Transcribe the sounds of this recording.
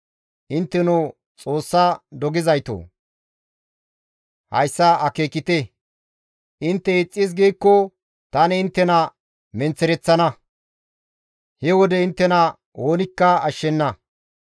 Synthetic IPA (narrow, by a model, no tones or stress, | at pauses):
ʔɪnt̪ːɛnu | t͡sʼo̞ːsːɐd̪ɔɡɪzɐjt̪o̰ː | hɐ̰jsːɐʔɐkeːkːɪt̪e | ʔɪnt̪ːɛɪt͡sʼːɪs̬ɡejkːɔ | t̪ɐnɛɪnt̪ːɛnɐ | mɛnt͡sːɛɾɛt͡sːɐnɐ | hɛwɔd̪ɛɪnt̪ːɛnɐ | woːnɪkːɐɐʃːɛnːɐ